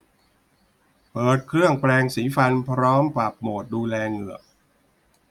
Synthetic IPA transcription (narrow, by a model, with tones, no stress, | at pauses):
pɤː˨˩t̪̚kʰɾɯ˥˩əŋpɾɛː˧ŋsiː˩˦fa˧npʰɾɔː˦˥mpɾa˨˩p̚moː˨˩t̪̚duː˧lɛː˧ŋɯ˨˩ək̚